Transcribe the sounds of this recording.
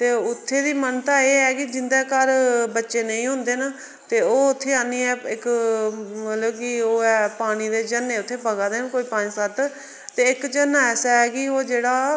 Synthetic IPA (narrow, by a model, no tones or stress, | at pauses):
t̪eːʊt̪ʰːeːd̪iːmənt̪aːeːɛːkɪd͡ʒɪnd̪aːkəɾbətːʃeːnəĩːɦʊ̃nd̪eːnaː | t̪eːoːʊt̪ʰːeːãːniːɛːɪk | mət̪ləbkɪoːɛːpaːɽ̃iːd̪eːd͡ʒənːeːʊt̪ʰːeːpəɡaːd̪eːnkoːiːpaːɽ̃ĩːsət̪ː | t̪eːɪkd͡ʒənːaɛːsɛːɛːkɪoːd͡ʒeːɽaː